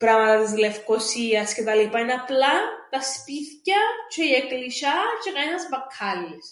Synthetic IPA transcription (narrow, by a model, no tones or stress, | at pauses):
pɾɐmɐt̪ɐt̪izlefkosiɐscet̪ɐlipɐinɐplɐt̪ɐspiθcɐt͡ʃʰeiekt̪eliʃɐt͡ʃekɐnɐzbɐkʰːɐlːes